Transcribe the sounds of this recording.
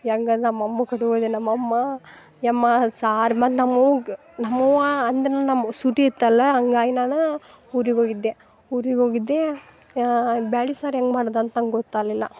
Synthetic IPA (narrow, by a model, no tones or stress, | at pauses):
ɐŋɡɐnɐmːɐmːɐkɐɽiʋoːd̪enɐmːɐmːɐ | jɐmːɐsaːɾmɐt̪nɐmːoɡ | nɐmːuɐnd̪ɐnɐnɐmːɐsuʈiit̪ːɐlːɐɐŋɡaːjnaːnɐ | uɾiɡoːɡid̪ːe | uːɾiɡoːɡid̪ːe | baːlisaːɾeŋɡmaːɽɐd̪ɐnt̪ɐŋɡɡɔt̪ːaːlilːɐ